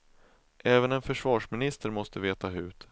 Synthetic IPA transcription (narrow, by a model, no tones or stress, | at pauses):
ʔɛːvənɛnfœʂvɑːʂmɪnɪst̪əɾmɔst̪əveːt̪aɦʉ̟ːt̪